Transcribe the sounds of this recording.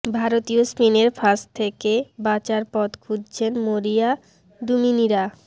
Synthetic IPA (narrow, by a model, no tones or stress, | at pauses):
bʱaɾot̪iospineɾfʰaʃt̪ʰekebat͡ɕaɾpɔt̪kʰudt͡ɕʰenmoɾia | d̪uminiɾa